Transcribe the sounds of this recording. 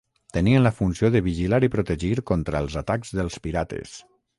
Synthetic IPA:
t̪əniənləfunsioðəβiʒilaɾipɾut̪əʒiɾkɔnt̪ɾəlˠzat̪aɡzðəlˠspiɾat̪ḛs

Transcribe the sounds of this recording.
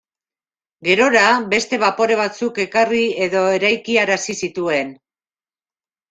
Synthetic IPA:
ɡe̞ɾo̞ɾabe̞st̪e̞βapo̞ɾe̞β̞at͡suke̞karie̞ðo̞e̞ɾajkiaɾasisit̪ue̞n

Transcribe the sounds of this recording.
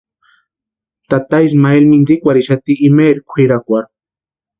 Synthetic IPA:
t̪at̪ajs̬maelminzikʷaɾiʃat̪iʔːmeɾikʷʰiɾakʷaɾ

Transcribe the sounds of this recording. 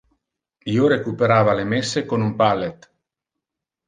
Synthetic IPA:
iːoɾekupeɾaːvalemesːekonumpalːet̪

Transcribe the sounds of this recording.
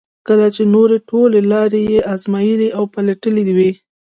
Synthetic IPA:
kəlat͡ʃenoɾeʈolelɑɾejeʔɑzmɑjəliawpalaʈəlid̪iwi

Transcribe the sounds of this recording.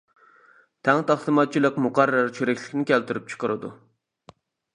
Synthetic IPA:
t̪ʰɛŋt̪ʰæχsˠɨmɑt̪̚t͡ʃʰilˠəkmuqɑrːɑɾt͡ʃʰyɾɛkʲlɪ̥kʲnɪkʲʰɛlt̪yɾyp̚t͡ʃʰə̥qʰəɾɨd̪ṵ

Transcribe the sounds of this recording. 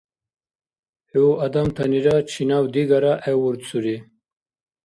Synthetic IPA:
heuʔɐd̪amt̪ʰaniɾat͡ɕʰinawd̪iɡaɾaʔewuɾt͡suɾi

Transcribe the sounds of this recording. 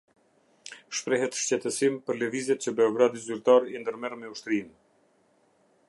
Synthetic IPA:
ʃpɾɛɦɛt̪ʃt͡ɕɛt̪əsimpəɾləvizɛt̪t͡ɕəbɛɔɡɾad̪izyɾt̪aɾind̪əɾmɛɾmɛuʃt̪ɾin

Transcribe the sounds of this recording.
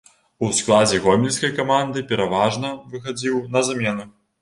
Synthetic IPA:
usklˠad͡zʲɛɣɔmʲilʲsʲkɐjkamand̪ɨpʲɛɾavaʐnɐvɨxad͡zʲiwnɐzamʲɛnu

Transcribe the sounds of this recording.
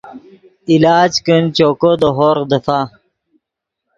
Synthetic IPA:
ilaːd͡ʑkənt͡ɕokod̪oɦoɾd̪əfa

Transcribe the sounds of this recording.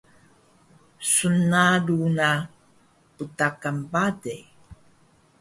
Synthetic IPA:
sunaluna | putakambadej

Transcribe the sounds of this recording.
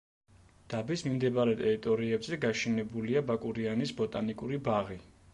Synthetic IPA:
d̪̥abismimd̪ɛbaɾɛt̪ʼɛɾit̪ʼɔɾiɛbzɛɡaʃɛnɛbuliabakʼuɾianisbɔt̪ʼanikʼuɾibaʁi

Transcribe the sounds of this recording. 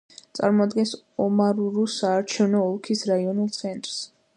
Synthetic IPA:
t̪sʼa̰ɾmɔad̪ɡɛns | ɔmaɾuɾusaːɾt͡ʃʰɛvnɔːlˠkʰisɾaiɔnulˠt̪sʰɛnt̪ʼɾs

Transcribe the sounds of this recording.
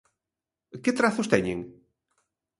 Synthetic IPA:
kɪt̪ɾaθʊst̪ɛɲẽŋ

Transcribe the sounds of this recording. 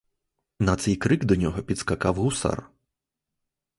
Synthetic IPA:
nat̪sɛjkɾɨɡd̪ɔnʲɔɣɔpʲit̪skakawɣusa̰r

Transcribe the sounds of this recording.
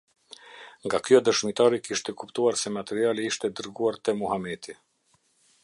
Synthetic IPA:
ŋɡakjɔd̪əʃmit̪aɾikiʃt̪ɛkupt̪uaɾsɛmat̪ɛɾialiiʃt̪ɛd̪əɾɡuaɾt̪ɛmuhamɛt̪i

